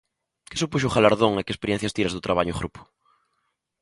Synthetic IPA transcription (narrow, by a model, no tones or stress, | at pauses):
ke̥supuʃ̬uχalaɾðoŋakespeɾjẽnθjast̪iɾazðʊt̪ɾaβaɲʊɣɾʔupʊ̥